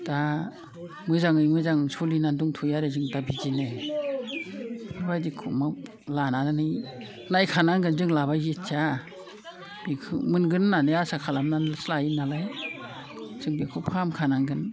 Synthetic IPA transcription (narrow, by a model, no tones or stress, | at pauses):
d̥a | mɯzaŋɯjmɯzaŋsulinanduŋtʰujaɾezɯŋdabizinɯ | mɯbajdikʰɔ̰mɯ | lanannɯj | najkʰanaŋɡɯnzɯŋlaβajzit͡ʃʰa | b̥ikʰɯmɯnɡɯnːanɯjasakʰalamnanslajinalaj | z̥ɯŋbikʰɔpʰamkʰanaŋɡɯn